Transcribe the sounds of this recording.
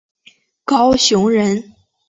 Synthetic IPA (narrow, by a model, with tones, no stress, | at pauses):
kɑ˥ʊɕjʊ˧˥ŋɻə˧˥n